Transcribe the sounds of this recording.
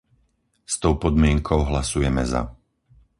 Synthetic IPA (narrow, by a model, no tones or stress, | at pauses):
st̪ɔʊpɔd̪mɪɛŋkʰɔʊɦlasujɛmɛza̰